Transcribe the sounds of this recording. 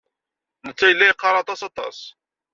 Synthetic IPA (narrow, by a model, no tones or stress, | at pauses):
nət͡sːæjəlːæjqːɑɾˤɑt̪ˤɑsɑt̪ˤɑ̰s